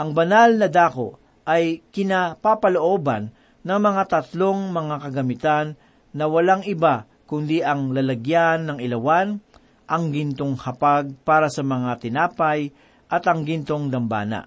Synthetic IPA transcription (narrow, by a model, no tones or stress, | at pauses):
ʔɐŋbɐnalnɐd̪aːkoʔ | ʔɐjkɪnapapɐloʔo̞ːbanː | ɐŋmɐŋat̪ɐt̪lo̞ŋmɐŋakɐɡɐmɪt̪anː | ɐwɐlaŋɪba | kʊnd̪iʔɐŋlɐlɐɡjanːɐŋɪlɐwan | ʔɐŋɡɪnt̪oŋhɐpaɡ̚paːɾɐsɐmɐŋat̪ɪnaːpaj | ʔɐt̪ɐŋɡɪnt̪o̞ŋd̪ɐmba̰ːnɐ̰ʔ